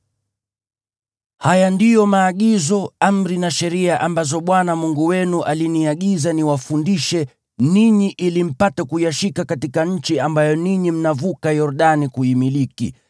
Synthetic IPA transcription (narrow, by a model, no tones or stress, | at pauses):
hajandijɔmaːɠizɔam̩ɾinaʃɛɾiaʔambazɔɓwanamuŋɡuwɛnuʔaliniaɠizaniwafundiʃɛ | niɲiʔilim̩patɛkujaʃikakatikaɲ̩t͡ʃiambajɔniɲim̩navukajɔɾuɗanikuimilikḭ